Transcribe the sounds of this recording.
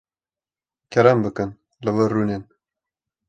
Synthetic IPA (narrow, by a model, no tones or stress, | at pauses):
kʰɛɾɛmbɨkɨn | lɨvəruːnen